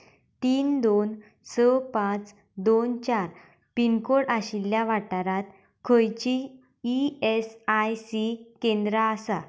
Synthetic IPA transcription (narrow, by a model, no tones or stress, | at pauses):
t̪iːnd̪on | səpãt͡s | d̪ont͡ɕaɾ | pinkoɽaɕiljaʋaʈaɾat̪ | kʰəjt͡ɕiː | esajsikẽnd̪ɾaəsa